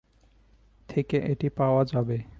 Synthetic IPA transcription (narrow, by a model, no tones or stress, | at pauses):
t̪ʰekeʔeʈipaoad͡ʑabe